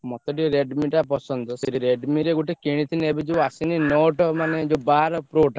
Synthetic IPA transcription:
mɔt̪ɔʈiɾeɖmiʈapɔsɔnd̪ɔseɾiɾeɖmiɾeɡuʈekiɽ̃it̪ʰineebid͡ʒoasininoʈɔmaned͡ʒobaɾɔpɾoʈa

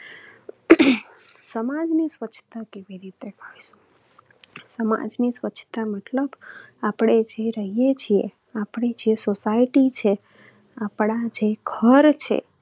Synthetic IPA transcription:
səmad͡ʒnisʋət͡ʃʰt̪akeʋiɾit̪ekʰaiʃu̥ | səma̰d͡ʒnisʋət͡ʃʰt̪amət̪ləbapɽ̃ed͡ʒeɾəɦijet͡ʃʰiḛ | apɽ̃ed͡ʒiesosaiʈit͡ʃʰe | apɽad͡ʒeɡʱəɾt͡ʃʰḛ

